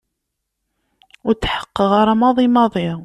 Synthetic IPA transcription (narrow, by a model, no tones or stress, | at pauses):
ʊɾt͡sːħə̥qːəʁaɾˤamɑðˤimɑðˤi